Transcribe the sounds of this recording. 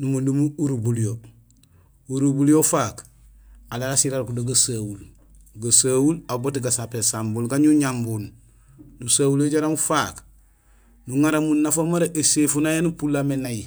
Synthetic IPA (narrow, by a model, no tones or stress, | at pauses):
numundumuuɾubulijo | uɾubulijofaːk | alalasiɾaɾkudoɡasawul | ɡasaːwulabotiɡasapesambulɡaɲuɲambul | nusaːwuleɟaɾamufak | nuŋaɾamunːafomaɾeʔesefunajenupulamenaji